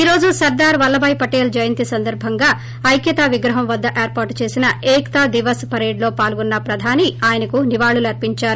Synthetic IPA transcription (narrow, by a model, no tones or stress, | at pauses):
iːɾo̞ːd͡ʒusɐɾd̪aːɾʋɐlːɐbɐjpɐʈeːld͡ʒɐjɐnt̪isɐnd̪ɐɾbʱɐŋɡaː | ɐjkjɐt̪aʋiɡɾɐɦɐmʋɐd̪ːɐʔeːɾpaːɾʈt͡ʃe̞ːsinɐeːkt̪aːd̪iʋɐspɐɾeːɖlo̞ːpaːlɡunːɐpɾɐd̪ʱaːniaːjɐnɐkuniʋaːɭulɐɾpiɲt͡ʃaːɾu